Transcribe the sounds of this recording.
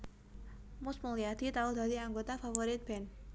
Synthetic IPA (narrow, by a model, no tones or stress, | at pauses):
mʊsməŋliad̪̥it̪aud̪a̤d̪iaŋɡot̪afafoɾɪt̪̚b̥ɛn